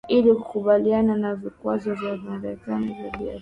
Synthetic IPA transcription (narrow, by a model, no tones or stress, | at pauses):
ilikukuɓaliananavikwazɔvjamaɾɛkanivjaɓia̰